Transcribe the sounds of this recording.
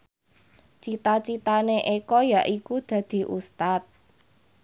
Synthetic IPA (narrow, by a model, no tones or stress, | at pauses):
t͡ʃit̪at͡ʃit̪aneʔekɔjaʔikud̪̥ä̤d̪̥i̤ʔust̪at̪̚